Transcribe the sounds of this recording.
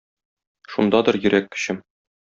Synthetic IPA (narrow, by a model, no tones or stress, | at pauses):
ʃund̪ɑd̪ɤɾjɘ̆ɾʔækːɘ̥̆ɕɘm